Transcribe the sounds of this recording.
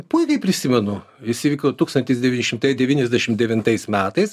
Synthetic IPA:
pʊɪkʲɐɪpʲɾʲɪsʲɪmʲɛnʊ | ɪsʲɪʋʲikʲot̪uːkst̪ɐnʲt̪ʲɪs̬d̪ʲɛʋʲiːnʲɪʃʲɪmt̪ɐɪd̪ʲɛʋʲiːnʲɛzʲd̪ʲæʃʲɪmd̪ʲɛʋʲɪnt̪ɐɪsmʲæːt̪ɐɪs

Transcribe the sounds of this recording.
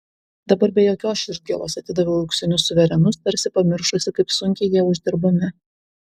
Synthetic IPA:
d̪ɐbɐɾbʲɛjoːkʲoːsɪʒ̚ʲɡʲḛlˠo̰ːsɐt̪ʲɪd̪ɐʋʲoɐʊksʲɪnʲʊsːʊʋʲɛɾʲɛnʊst̪ɐɾʲsʲɪpɐmʲɪɾʃʊsʲɪkɐɪpsʊŋʲkʲɛɪjiɛʊʒʲd̪ʲɪɾbʊmʲɪ

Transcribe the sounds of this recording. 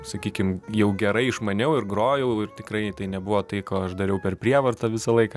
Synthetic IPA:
sɐkʲiːkʲɪmjɛʊɡʲɛɾɐɪɪʃmɐnʲɛʊɪɾɡroːjɛʊɪrt̪ʲɪkɾɐɪt̪ɐɪnʲɛbʊʋoːt̪ɐɪkoːɐʃd̪ɐɾʲɛʊpʲɛrpʲɾʲiɛʋɐrt̪ɐʋʲɪsɐlˠɐɪkɐ

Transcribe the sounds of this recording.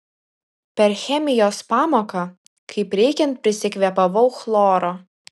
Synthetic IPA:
pʲɛɾxʲɛmʲɪjoːspɑːmoːkɐ | kʰɐɪpɾʲɛɪkʲɛnt̪̚pʲɾʲɪsʲɪkʲʋʲɛpɐʋɐʊxlˠoːɾoː

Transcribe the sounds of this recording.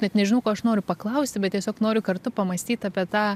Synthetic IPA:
nʲɛt̪nʲɛʒʲɪnɐʊkoːɐʃnoːɾʲʊpɐklˠɐʊsʲt̪ʲɪbʲɛt̪t̪ʲiɛsʲoːknoːɾʲʊkɐrt̪ʊpɐmɐsʲt̪ʲiːt̪ɑːpʲiɛt̪ɑː

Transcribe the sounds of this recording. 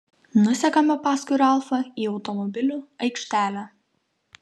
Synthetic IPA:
nʊsʲɛkɐmʲɛpɑːskʊɪɾʲɛlˠfɐiːɒʊt̪ɔmɔbʲɪlʲuːɐɪkʃʲt̪ʲæːlʲæː

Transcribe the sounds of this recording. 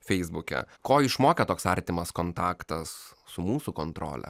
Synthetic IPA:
fʲɛɪzbʊkʲɛ̰koːɪʃmoːkʲɛt̪oːksɐɾʲt̪ʲɪmɐskont̪ɑːkt̪ɐs | sʊmuːsʊkont̪ɾo̰ːlʲɛ̰

